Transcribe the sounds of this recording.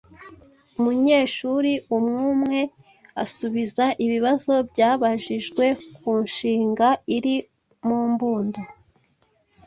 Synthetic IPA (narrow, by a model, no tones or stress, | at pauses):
umuɲe̞ːʃuɾiʔumŋuːmŋe̞ | asuβizaʔiβiβazo̞bɟaːβaʒiʒɡwe̞kuːnʃiːŋɡaiɾi | muːmbuːndo